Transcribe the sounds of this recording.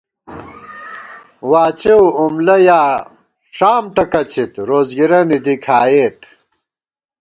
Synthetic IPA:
waːt͡ɕʰewumlɐjaː | ʂaːmt̪ɐkɐt͡ɕʰit̪ɾoːzɡiɾɐnid̪ikʰaːjeːt̪

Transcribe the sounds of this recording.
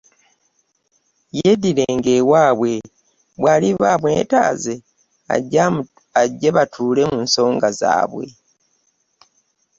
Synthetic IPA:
jedileŋɡewaːβwe̞ | βwaːliβaβweta̰ːze | a̰a | aɟːeβatʰuːle̞muːnso̞ːŋɡaza̰ːβwe̞̰

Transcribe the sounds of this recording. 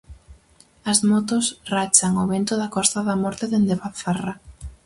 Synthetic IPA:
ɐzmɔt̪osrat͡ʃaŋʊβent̪ʊðɐkɔst̪ɐðɐmɔɾt̪eðend̪eβaθarɐ

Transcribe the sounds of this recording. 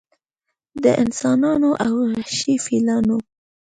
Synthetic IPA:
d̪əʔɪnsɑnɑnoʔawahʃifilɑno

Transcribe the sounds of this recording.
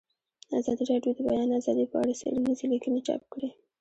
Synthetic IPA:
d̪əazɑd̪iɾɑɖjod̪əba̰jɑnazɑd̪ipəɑɽasḛɽinizelikənet͡ʃɑ̰p̚kɽi

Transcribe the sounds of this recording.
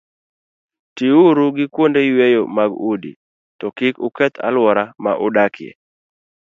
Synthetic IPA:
tiuɾuɡɪkwondejwejomaɡudḭ | tɔkɪkʊkɛt̪ʰa̰lwɔɾama̰ʔʊdakʰjḛ

